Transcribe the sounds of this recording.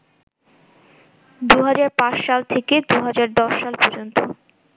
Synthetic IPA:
d̪uɦad͡ʑaɾpãʃʃalt̪ʰeked̪uɦad͡ʑaɾd̪ɔʃːalpɔɾd͡ʑont̪o

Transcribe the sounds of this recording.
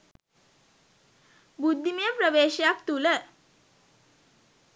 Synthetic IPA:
bud̪ʱːimijəpɾəʋeɕjak̚t̪ulə

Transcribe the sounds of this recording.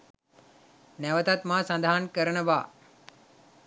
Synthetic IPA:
nɛʋət̪at̪maːsãnd̪aɦankəɾəɳəʋaː

